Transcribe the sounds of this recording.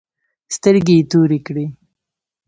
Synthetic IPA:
st̪əɾɡit̪uɾikɽi

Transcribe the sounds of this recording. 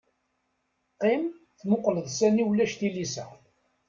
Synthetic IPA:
qːim | θmʊqləðˤsæniwlːæʃθilisæ̰

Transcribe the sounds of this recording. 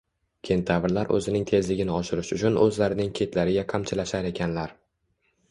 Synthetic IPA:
kʲʰe̞nt̪ʰavɪɾlaɾʔɵ̰zɪnɪŋt̪ʰe̞zlɪɡʲɪnɪɒʃɪɾɪʃʊt͡ʃʰʊnɵzlaɾɪnɪŋkʲʰe̞t̪laɾɪɡʲaqʰamt͡ʃʰɪlaʃaɾe̞kʲʰanlaɾ

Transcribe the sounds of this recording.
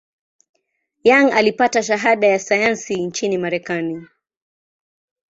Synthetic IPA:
jaŋalipataʃ̬aɦaɗajasajansint͡ʃinimaɾɛkani

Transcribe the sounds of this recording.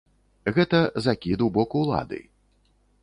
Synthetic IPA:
ɣɛt̪ɐzakʲid̪wbɔkuwlˠa̰d̪ɨ̰

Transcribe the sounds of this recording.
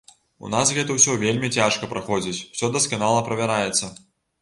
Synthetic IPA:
ṵnasɣɛt̪ɐwsʲɔvʲelʲmʲit͡sʲaʂkɐpɾaxɔd͡zʲit͡sʲw̥sʲɔd̪ɐskanalˠɐpɾɐvʲaɾajɛt̪sːɐ

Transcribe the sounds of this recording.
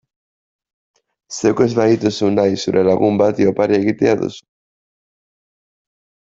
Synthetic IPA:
sekezβait̪osunajsoβɾʔelaɣumbat̪iopaɾjaɣit̪jaðo̰s

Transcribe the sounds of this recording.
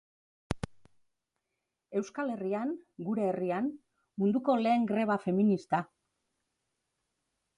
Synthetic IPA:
e̞wskale̞riaŋɡuɾe̞ːrian | mund̪uko̞le̞ːŋɡɾe̞β̞afe̞minist̪a

